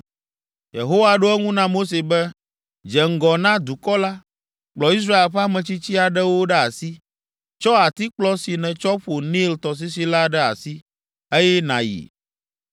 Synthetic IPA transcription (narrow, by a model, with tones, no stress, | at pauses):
jḛ˨ɦo˦wa˨ɖo˦ɛ˦ŋũ˦nã˦mo˦s̬e˨bɛ˦ | d͡ʒɛ˨ŋ̩˨ɡɔ˨nã˦d̪u˨kɔ˦la˦ | k͡plɔ˨i˦s̬ɾa˦e˨lɸɛ˦a˦mɛ̃˨t͡ɕi˦t͡ɕi˦a˨ɖɛ˦wo˦ɖɛ˦a̰˨si˦ | t͡ʃɔ˦a˨t̪i˦k͡plɔ˦si˨nɛ̃˨t͡ʃɔ˦ɸo˨nĩ˦lt̪ɔ˨s̬i˦s̬i˦la˦ɖɛ˦a̰˨si˦ | e˦jɛ˦nã̰˨jḭ˨